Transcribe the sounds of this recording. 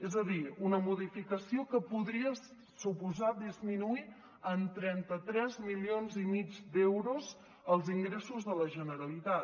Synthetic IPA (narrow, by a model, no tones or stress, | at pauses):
ezəðiunəmuðifikəsiokəpuðɾiə | supuzad̪izminui | ənt̪ɾɛnt̪ət̪ɾɛzmilionzimid͡zd̪ɛwɾuz | əlˠziŋɡɾesuzðələʒənəɾəlit̪a